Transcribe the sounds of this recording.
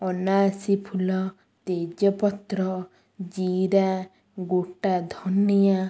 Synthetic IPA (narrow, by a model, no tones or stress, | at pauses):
ɔnaːsipʰulɔ | t̪ed͡ʒɔpɔt̪ɾɔ | d͡ʒiɾa | ɡoʈad̪ʱɔnːija